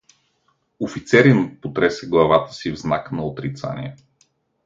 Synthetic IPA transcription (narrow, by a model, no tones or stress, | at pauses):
ofit̪sɛɾin̚pot̪ɾɛsɛɡlˠɐvat̪ə̥sivznaknɐot̪ɾit̪sa̰nḭɛ